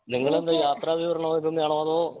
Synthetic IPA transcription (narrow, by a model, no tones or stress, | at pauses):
niŋːɐɭend̪ɨjaːt̪raːʋiʋɐɾɐɳɐoːiðumjaːɳoːɐðoː